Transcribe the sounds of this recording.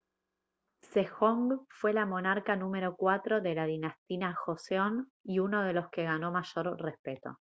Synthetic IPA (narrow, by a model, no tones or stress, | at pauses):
sexoŋɡfwe̞lamo̞naɾkanũme̞ɾo̞kwat̪ɾo̞ðelaðinast̪inaxoseoniuno̞ð̞e̞loske̞ɣano̞maʒo̞ɾre̞spe̞t̪o̞̰